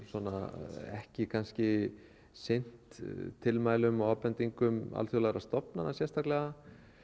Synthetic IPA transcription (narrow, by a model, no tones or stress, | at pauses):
sɔna̰ɛ̰hcɪkʰanscɪ | sɪn̥t̪ʰːɪlmaːjlʏmaːpɛnt̪iŋkʏma̰lθjɔlaɣɾast̪ɔpnanasjɛst̪ʰahklɛɣa